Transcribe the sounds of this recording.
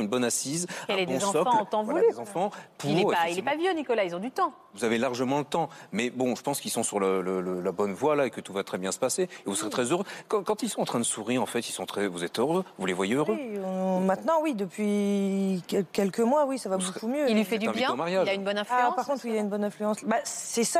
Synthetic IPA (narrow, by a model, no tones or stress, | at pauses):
ynbɔnasizɛledɔ̃ɔkft̪ɑ̃vualyzɑ̃fɑ̃pʰulɛʁailɛpavjønikɔlailzɔ̃d̪yt̪ɑ̃ | vuzavelaʁʒəmɑ̃lət̪ɑ̃mɛbɔ̃ʒəpɑ̃skilsɔ̃syʁlələləlabɔnvwalaekət̪uvat̪χɛbjɛ̃sə̥paseːvusəʁet̪χɛzøʁøkɑ̃kɑ̃t̪ilsɔ̃ɑ̃t̪χɛ̃d̪əsuʁiʁɑ̃fɛt̪ilsɔ̃t̪χɛvuzɛt̪øʁøvulevwajeøʁøɔ̃mɛ̃t̪nɑ̃wid̪əpɥi | kʲɛkʲɛlkəmwawisavabokkumjøilːifɛd̪ỹbvjɛ̃omaʁjaʒaynbɔnɛ̃flaỹpaʁkɔ̃t̪χilaynbɔnɛ̃flyɑ̃sbassɛsa